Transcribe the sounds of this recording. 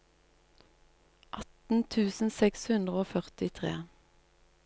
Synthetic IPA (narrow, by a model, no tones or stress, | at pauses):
ʔɑt̪n̩t̪ʰʉːsn̩sɛkshʉnd̪ʁəoːfœʁt̪ɪt̪ʰʁḛː